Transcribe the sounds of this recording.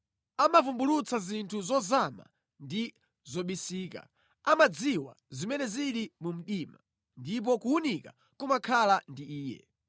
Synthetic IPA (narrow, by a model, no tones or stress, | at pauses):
amavumbulut͡sazintʰuzɔzama̰ | ndi | zɔɓisiːka̰ | amad͡ziwa̰zimɛnɛziɾimum̩ɗima | ndip̬ɔkuunika̰ | kumakʰalandiiːjɛ̰